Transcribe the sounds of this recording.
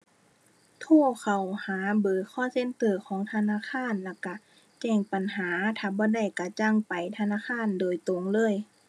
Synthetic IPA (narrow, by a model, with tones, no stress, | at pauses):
t̪ʰoː˧˥˩kʰa˨˩whaː˨˦bɤː˨˦kʰɔː˧˥˨se˧˥˨nt̪ɤː˧˩kʰɔː˨˦ŋt̪ʰa˧˨naː˧˥˨xʰaː˧˥˨nla˧˩ka˧˩ | t͡ɕɛː˧˩ŋpa˨nɦaː˨˦t̪ʰaː˧˩bɔː˧˦da˧˩jka˧˩t͡ɕa˧˥˨ŋpa˨jt̪ʰa˧naː˧˥˨kʰaː˧˥˨ndoː˨˩jt̪o˨ŋlɤː˧˥˨j